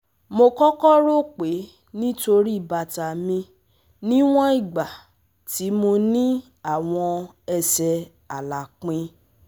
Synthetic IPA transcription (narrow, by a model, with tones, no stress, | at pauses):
mo˧kɔ˦kɔ˦ɾo˦k͡pe˨˦ | nĩ˦to˧ɾi˦i˦˨ba˨ta˨mĩ˧ | nĩ˦w̃ɔ̃˦i˦˨ɡ͡ba˨ | ti˨˦mo˧nĩ˦ | a˦˨w̃ɔ̃˧ | ɛ˧sɛ˧ | a˨la˨k͡pĩ˧